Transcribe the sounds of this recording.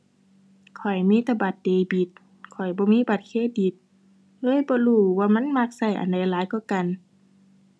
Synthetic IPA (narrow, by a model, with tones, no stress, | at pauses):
kʰɔ˨˩jmiː˧˥˨t̪a˧˩ba˨˩t̪̚deː˨˧˩bi˧˦t̪̚ | kʰɔ˨˩jbɔː˧˦miː˧˥˨ba˨˧˦t̪̚kʰeː˧˥di˧˦t̪̚ | lɤː˧˥˨jbɔː˧˦luː˧˩waː˧ma˧˥˨nma˧˨k̚sa˧˩jʔa̰˨nda˧˨jlaː˨˦jkɔː˧˩ka˨n